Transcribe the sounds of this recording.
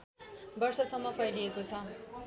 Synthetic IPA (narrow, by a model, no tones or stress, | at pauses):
bʌrsʌsʌmːʌpʰʌjliekot͡sʰʌ